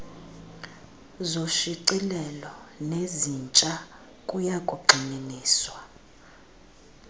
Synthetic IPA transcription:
zoʃiǀilɛlɔnezint͡ʃʼa | kʼujakʼuɡ͡ǃʱininiːswa

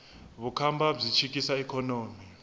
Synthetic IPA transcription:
βukʰambab͡ʐit͡ʃʰikisaɛkʰɔnoːmi

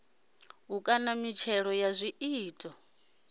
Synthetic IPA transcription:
ɦukʼanamit͡ʃʰɛɺɔjazʷiiːtʼɔ

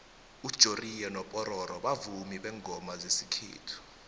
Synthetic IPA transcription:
ud̥ʒ̥ʱorijɛnɔpʼɔɾɔɾɔɓavumiɓɛŋʱɔmazesikʰḛːtʰu̥

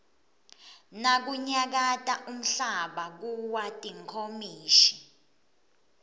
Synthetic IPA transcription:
nak̬uɲak̬atʼaʔum̩ɬaɓak̬uwatʼiŋkʰomiːʃi̥

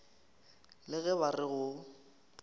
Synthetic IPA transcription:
lɪɣɛβarɪɣʊ

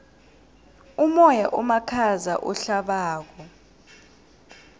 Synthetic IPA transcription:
umɔjaʔumakʰaza̰ʔɔɬaɓaːk̬ɔ

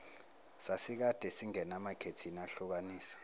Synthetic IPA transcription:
sasik̬ad̥ʱɛsiŋɛnamakʰetʰinaɬuk̬aniːsi̥

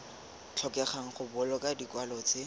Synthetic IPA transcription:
t͡ɬʰɔkʼɛχaŋ̩χʊbʊlɔkʼadikwalɔt͡sʼe

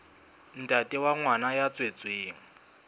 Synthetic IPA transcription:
n̩tʼatʼɪwaŋwanajat͡sʼwet͡sʼweːŋ̩

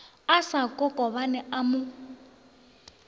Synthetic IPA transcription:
asakʼɔkʼɔβanɛamʊ

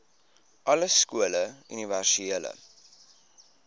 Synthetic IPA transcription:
ʔɐləskuələy̰niværsiiələ̰

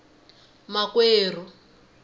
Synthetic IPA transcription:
makweːr̤u

